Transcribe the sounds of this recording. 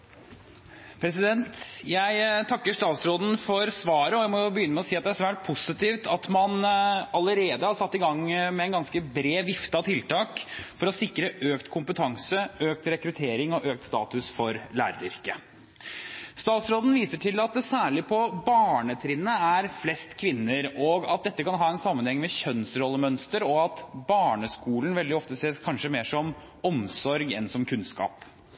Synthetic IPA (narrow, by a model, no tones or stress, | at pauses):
pʰɾɛs̬ɪd̪ɛnt̪jæɪt̪ʰɑkːəʂt̪ɑːt̪sɾoːd̪n̩fɔɾsʋɑːɾəɔjæɪmɔjʊbəjʏnːəmɛɔsiːɑt̪̚d̪ɛæʂʋæːʈ̚pʰʊsɪt̪iːʋt̪ɑt̪mɑnɑləɾeːd̪əhɑɾsɑt̪ːɪɡɑŋmɛɛnɡɑnskəbɾeːʋɪft̪əɑt̪ʰɪlt̪ɑːkfɔɾɔsɪkːɾəʔøːkt̪kʰʊmpət̪ʰɑŋsəøːk̚t̪ɾɛkɾʉt̪ʰeːɾɪŋɔʔøːk̚t̪st̪ɑ̰ːt̪ʉsfɔɾlæːɾəɾɪɾkə | st̪ɑːt̪sɾoːd̪n̩ʋiːsəʈʰɪlɑt̪̚d̪ɛsæːɭɪpʰɔbɑːɳət̪ʰɾɪnːəæɾflɛst̪kʰʋɪnːəɾɔɡɑ̰t̪̚d̪ɛt̪ːəkʰɑnɦɑːɛnsɑmːənhɛŋːmɛɕœnsɾɔlːəmœnst̪əɾɔɑt̪bɑːɳəskuːln̩ʋɛld̪ɪɔft̪əseːskʰɑnʂəmeːʂɔm | ɔmsɔɾɡɛ̰nsɔmkʰʉnskɑ̰ːp